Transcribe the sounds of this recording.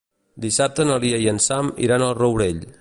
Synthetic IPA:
d̪isap̚t̪ənəlˠiəiənsamḭɾanəlˠrəwɾeʎ

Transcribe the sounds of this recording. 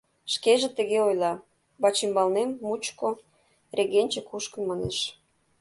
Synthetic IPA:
ʃkeʒĕt̪ə̆ɣeojlɑ | βɑt͡ɕimbɑlnemːut͡ɕko | reɣenʲt͡ɕekuʃkə̆mɑnḛʃ

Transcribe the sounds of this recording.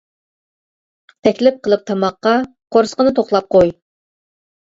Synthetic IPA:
t̪ʰɛkʲlɪp̚qʰəlˠɨp̚t̪ʰɑmɑqːɑ | qʰoɾsə̥qənɨt̪ʰoχlˠɑp̚qʰoj

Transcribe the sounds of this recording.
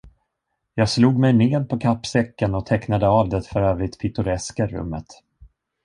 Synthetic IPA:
jɑːɡsluːɡmɛjneːd̪̚pʰɔkʰapːsɛkːənɔt̪ʰɛknad̪əavd̪ɛt̪fœɾøːvɾɪt̪pʰɪt̪ɵɾɛskaɾɵ̰mːə̰t̪

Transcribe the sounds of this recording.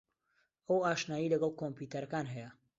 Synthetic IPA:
ɐwaːʃnaːjilɐɡɐlˠkʰompuːt̪ʰɐɾɐkaːnɦɛjɐ

